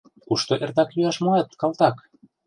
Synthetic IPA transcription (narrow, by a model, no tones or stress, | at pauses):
kuʃt̪oʔert̪ɑkjyɑʃmoɑt̪kɑlt̪ɑk